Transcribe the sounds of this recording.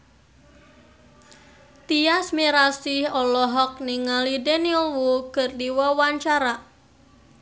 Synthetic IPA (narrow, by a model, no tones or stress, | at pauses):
t̪iasmiɾasɪhɔlɔɦɔk̚niŋalidenilwukərdiwɔwaɲt͡ʃaɾa